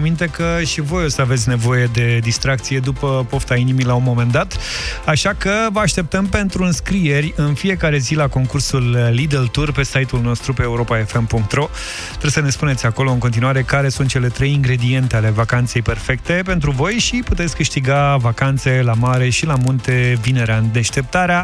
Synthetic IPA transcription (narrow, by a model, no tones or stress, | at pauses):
amint̪e̞kəʃivo̞jo̞səave̞t̪sʲne̞vo̞je̞d̪e̞d̪ist̪ɾak̚t̪sije̞d̪upəpo̞ft̪ainimilaunmo̞mẽ̞nd̪at̪aʃakəvəaʃt̪e̞p̚t̪əmpe̞nt̪ɾuɨnskɾije̞rʲɨnfije̞kaɾe̞zilako̞ŋkursulːid̪elt̪urpe̞sajt̪ulno̞st̪ɾupe̞ːuɾo̞pae̞fe̞mpuŋk̚t̪ɾo̞ | t̪ɾesəne̞spune̞t̪sʲako̞lo̞ɨnŋko̞nt̪̬inuwaɾe̞kaɾe̞sunt̪̚t͡ʃe̞le̞t̪ɾe̞jiŋɡɾe̞d̪ie̞nt̪e̞ale̞vakant̪se̞jpe̞rfe̞k̚t̪e̞pe̞nt̪̬ɾuvo̞jʃiput̪et̪sʲkɨʃt̪iɡavakant̪se̞lamaɾe̞ʃilamunt̪e̞vine̞ɾeand̪eʃt̪e̞p̚t̪aɾea